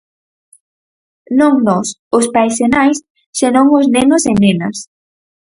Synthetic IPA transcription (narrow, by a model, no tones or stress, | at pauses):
nõŋnɔsʊspajsenajs | senõŋoznenʊsenenɐs